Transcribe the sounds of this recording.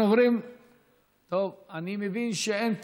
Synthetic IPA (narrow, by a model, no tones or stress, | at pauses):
ovɾim | t̪ovanimevinʃeent